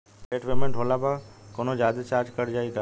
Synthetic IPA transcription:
eːʈʋeːmẽɳʈɦoːlabakoːnod͡ʒaːd̪ət͡ʃaːɾd͡ʒkəɽd͡ʒaːiɡ̪aː

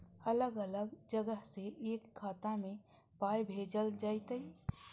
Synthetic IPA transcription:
ələɡələɡd͡ʒəɡəɦseʔeːkʰːaːt̪amẽ | paːjbʱeːd͡ʒəld͡ʒaːɪt̪əi

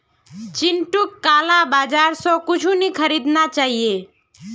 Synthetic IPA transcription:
t͡ʃɪnʈukːaːlabaːd͡ʒaːɾsɔ̃kʊt͡ʃʰunikʰəɾid̪nat͡ʃaːɦije

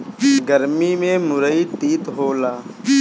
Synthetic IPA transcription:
ɡəɾmimẽmʊɾəiʈ̪iːt̪ɦoːlaː

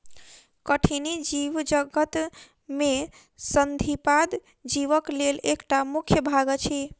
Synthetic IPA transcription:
kəʈʰinid͡ʒiʋd͡ʒəɡət̪ | me | sənd̪ʱipad̪ | d͡ʒiʋəklelekʈamukʰjəbʱaɡət͡ʃʰi

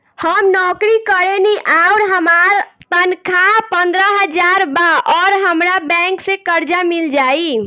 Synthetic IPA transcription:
həmnɔkɾikəɾeniʔauɾɦəmaɾt̪ənkʰapənd̪ɾəɦəd͡ʒaɾbaʔɔɾɦəmɾabɛ̃ŋksẽkəɾd͡ʒamild͡ʒai

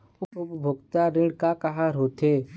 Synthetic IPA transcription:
ʊʊpbʱʊɡt̪aɾɪɽkakaɦaɾɦoːt̪eː

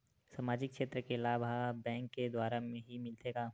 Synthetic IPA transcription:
samaːd͡ʒɪkʃeːt̪ɾəkelaːbʱabɛ̃ːŋkːed̪waːɾamẽɦimɪlt̪eːɡaː

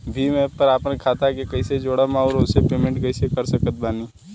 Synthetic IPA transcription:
bʱimẽpəɾaːpnekʰaːt̪akekɐɪsed͡ʒoːɽamaɾosepeːmẽɳʈkəɪsekəɾsəkət̪̚baːni

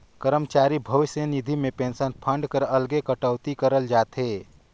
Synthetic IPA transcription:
kəɾəmt͡ʃaːɾibʱəʋɪsjənid̪ʱimepẽnsənpʰə̃ɳɖkəɾəlɡekəʈəwt̪ikəɾəld͡ʒaːt̪ɦe

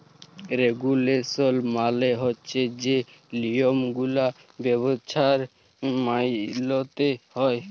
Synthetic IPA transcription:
ɾeɡulesɔlmaleɦɔtːt͡ʃʰed͡ʒe | liomɡula | bɛβot͡ʃʰaɾ | majlɔt̪ehɔe

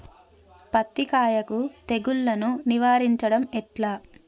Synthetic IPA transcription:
pɐt̪ːikaːjɐkut̪e̞ɡuɭːɐnuniʋaːɾiɲt͡ʃɐɽɐmɛʈlaː

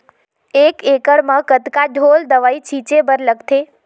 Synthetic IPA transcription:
ekekəɾmãkət̪kaɖʱold̪əʋait͡ʃʰit͡ʃebəɾləɡt̪ʰe

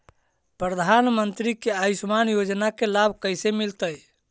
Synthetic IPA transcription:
pɾəd̪ʱanmənt̪ɾikeajsmanjod͡ʒnakelabʱkəjsemilt̪əj

